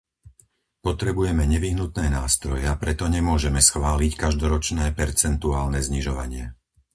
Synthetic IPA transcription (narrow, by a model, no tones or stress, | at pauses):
pɔt̪ɾɛbujɛmɛɲɛʋiɦnut̪nɛːnaːst̪ɾɔjɛapɾɛt̪ɔɲɛmʊɔʒɛmɛsxʋaːlickaʒd̪ɔɾɔt͡ʃnɛːpɛɾt͡sɛnt̪uaːlnɛzɲiʒɔʋa̰ɲɪɛ